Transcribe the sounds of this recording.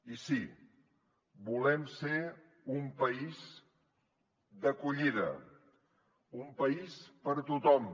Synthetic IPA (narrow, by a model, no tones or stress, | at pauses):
isi | bulɛmse | umpəiz | d̪əkuʎiðə̰ | umpəispəɾt̪ut̪ɔm